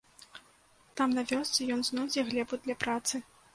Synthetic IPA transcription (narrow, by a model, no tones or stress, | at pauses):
t̪amnɐvʲɔst̪sʲɨjɔnznɔd͡zʲɛɣlʲɛbud̪lʲɐpɾat̪sɨ